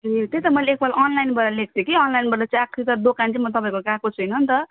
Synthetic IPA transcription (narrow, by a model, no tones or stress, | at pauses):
et̪et̪ʌmʌleek̚bʰalʌnlajnbʌɾalek̚ʰd̪ekiʌnlajnbʌɾdʌt͡sakʰːit̪ʌd̪okant͡simʌt̪ʌpaĩkokakot͡sʰujnʌnt̪ʌ